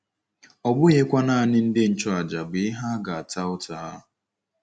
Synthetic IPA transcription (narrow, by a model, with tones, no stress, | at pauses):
ɔ˨ɡ͡bʊ˦je˦kʷa˦na˦˨a˨nɪ˦n̩˦dɪ˦n̩˦t͡ʃɔ˦a˨d͡ʒa˨bɪ˨ɪ˦ɦa˦ɡa˨a˨ta˦ʊ˦ta˨˦